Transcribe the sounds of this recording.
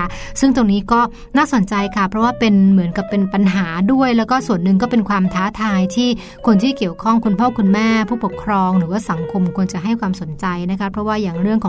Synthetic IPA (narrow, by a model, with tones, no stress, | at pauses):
sɯ˥˩ŋt̪o˧ŋniː˦˥kɔː˥˩ | naː˥˩so˨˩˦nt͡ɕa˧jkʰa˥˩pʰɾɔ˦˥waː˥˩pe˧nmɯ˩˦ənka˨˩pːe˧npa˧nɦaː˩˦du˥˩əjlɛː˦˥wkɔː˥˩su˨˩ənːɯ˨ŋk̬ɔː˥˩pe˧nkʰwaː˧mt̪ʰaː˦˥t̪ʰaː˧jt̪ʰiː˥˩ | kʰo˧nt̪ʰiː˥˩ki˨˩əwkʰɔ˥˩ŋkʰu˧npʰɔː˥˩kʰu˧nmɛː˥˩pʰuː˥˩po˨˩kʰɾɔː˧ŋɾɯː˩˦waː˥˩sa˩˦ŋkʰo˧mkʰu˧ənt͡ɕa˨˩ʔɦa˥˩jkwaː˧mso˩˦nt͡ɕa˧jna˦˥kʰa˦˥pʰɾɔ˦˥waː˥˩jaː˨˩ŋɾɯ˥˩əŋkʰɔː˨˩